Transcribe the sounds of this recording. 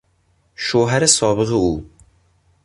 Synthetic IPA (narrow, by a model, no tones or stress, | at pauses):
ʃoɦæɾɪsɒːbɨʁɨu